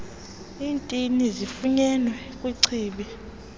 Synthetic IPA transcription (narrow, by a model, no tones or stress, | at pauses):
iːntʼinizifuɲɛnwɛ | kʼwiǀʰiːɓi